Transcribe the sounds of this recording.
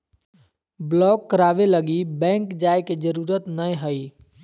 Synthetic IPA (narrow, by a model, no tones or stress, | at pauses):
blɔːkːəɾaːʋeləɡibɛ̃ːŋkd͡ʒaːeked͡ʒəɾuːɾət̪nəj̃ɦəiː